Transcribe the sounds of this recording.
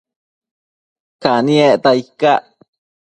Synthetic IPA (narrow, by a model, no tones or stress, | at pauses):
kanĩeʔt̪aikaʔ